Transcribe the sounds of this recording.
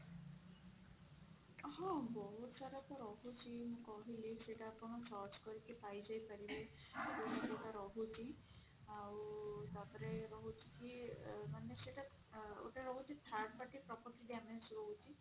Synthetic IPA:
ɦɔ̃bɔɦut̪saɾɔt̪ɔɾɔɦut͡ʃʰimũkɔɦileseʈaːpɔɽ̃ɔt͡ʃɔt͡ʃkɔɾikepajd͡ʒajpaɾibe | abosɔɾɔt̪aɾɔɦut͡ʃʰi | awut̪at̪ɔɾeɾɔɦut͡ʃʰi̥kimaneseʈa | o̰ʈaɾɔɦut͡ʃʰit̪ʰaɾʈ̚paʈipɾɔpɔɾt̪iɖamensɾɔɦut͡ʃʰi

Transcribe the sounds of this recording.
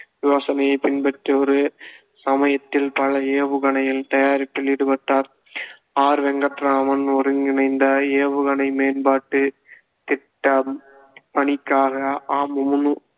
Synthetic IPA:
ʋɪʋaːsɐnɐjɐɪpɪnpɐʈriɔɾɯ | sɐmɐjɐt̪ːɪlpɐlɐeːʋɯɣɐɳɐjɪlt̪ɐjaːɾɪʈːɯlɪɽɯpɐʈːaːɾ | aːɾʋɛŋɡɐʈɾaːmɐnɔɾɯŋɡɪnɐɪnd̪ɐeːʋɯɣɐɳɐɪmeːnbaːʈːɯ | t̪ɪʈːɐm | pɐɳɪkːaːɣɐaːmʊmʊnɯ

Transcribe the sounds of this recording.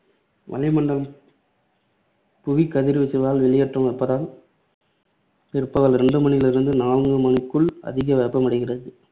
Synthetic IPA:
ʋɐ̰lɪmɐɳɖɐlm | pʊɣikːɐðɪɾɯʋɪsɪʋaːlʋɪɭɪjɐʈrɐmʋɛpːɐðaːl | pɪɾpːɐɣɐlɾɛɳɖɯmɐnɪɣɐlɪɾɯnd̪ɯnaːlŋɡɯmɐnɯkːɯɭɐ̰ðɪɣɐʋɛɾpːɐmɐɽɪɣɪrɐðɯ

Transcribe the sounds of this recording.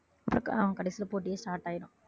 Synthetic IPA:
ɐpːɾɐkaʋɐ̃kɐɽɛɪsɪlpoːʈːɪjesʈaːɾʈːaːjɪɾʊ̃

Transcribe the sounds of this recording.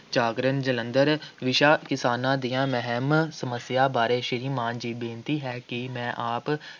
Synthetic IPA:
t͡ʃaːɡɾənd͡ʒələ̃nd̪əɾʋɪʃaːkɪsaːnãːd̪ijãːmɛɦɛmsəməsjaːbaːɾeːʃɪɾiːmãːnd͡ʒiːbẽːnt̪iːɦɛːkimɛ̃ːʔaːp

